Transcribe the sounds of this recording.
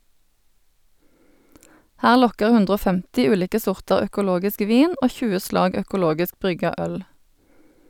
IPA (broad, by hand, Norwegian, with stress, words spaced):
ˈhæːʁ ˈlɔkəʁ ˈhʉndʁ ˈoː ˈfɛmtɪ ˈʉːliːkə ˈsʊʁtɑʁ œkʊˈloːɡɪsk ˈʋiːn ˈoː ˈçʉːə ˈslɑːɡ œkʊˈloːɡɪsk ˈbʁʏɡɑ ˈœl